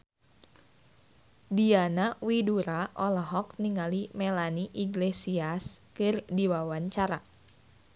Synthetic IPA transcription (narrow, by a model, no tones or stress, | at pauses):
dianawiduɾaʔɔlɔɦɔk̚niŋalimɛlaniʔiɡlesiaskɨrdiwawaɲt͡ʃaɾa